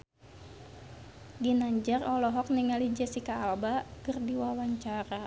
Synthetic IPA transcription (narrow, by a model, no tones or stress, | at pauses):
ɡinaɲd͡ʒarɔlɔɦɔk̚niŋalid͡ʒasikaːlbakərdiwawaɲt͡ʃaɾa